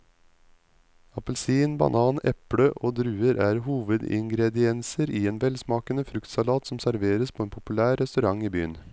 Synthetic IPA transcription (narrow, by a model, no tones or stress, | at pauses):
ɑpəlsiːnbɑ̰nʔɑːnɛpɽəʔoːd̪ɾʉːəɾʔæːɾhuːʋəd̪ɪ̰ŋɡɾɛd̪ɪɛnsəɾʔiːeːnʋɛlsmɑːkənəfɾʉkt̪sɑlɑːt̪sɔmsæɾʋeːɾəspʰoːeːnpʰʊpʉlæːɾːɛst̪ʉɾɑŋiːbyːən